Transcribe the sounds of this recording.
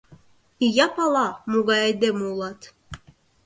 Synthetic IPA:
ijɑpɑlˠɑmuɡɑɛjd̪emulˠɑt̪

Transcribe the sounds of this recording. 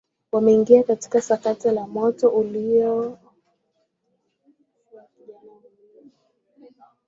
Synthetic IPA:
wamɛiŋɡiakati̥kasakatilamɔtɔʔuliɔ

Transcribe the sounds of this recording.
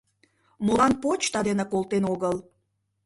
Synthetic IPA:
molɑnpot͡ɕt̪ɑd̪enekolˠt̪enoɣəl

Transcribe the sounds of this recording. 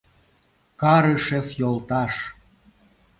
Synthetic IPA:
kɑɾəʃefjolˠt̪ɑʃ

